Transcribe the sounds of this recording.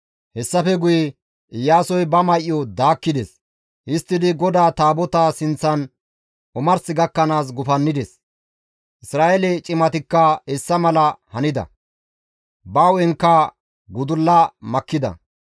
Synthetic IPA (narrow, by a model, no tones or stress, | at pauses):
hɛsːɐfɛɡʊjɛ | ʔɪjːaːsɔjbɐmɐjʔjːɔd̪aːkːɪd̪ɛs | ʔɪst̪ːɪd̪ɪɡɔd̪aːt̪aːbɔt̪asɪnt͡sːɐn | ʔʊmɐɾsɪɡɐkːɐnaːs̬ɡʊfɐnːɪd̪ɛs | ʔɪsɾaːʔɛlɛt͡ʃʼɪmɐt̪ɪkːɐɛsːɐmɐlɐhɐnɪd̪ɐ̰ | bɐwɛŋkːɐ | ɡʊd̪ʊlːɐmɐkːɪd̪ɐ̰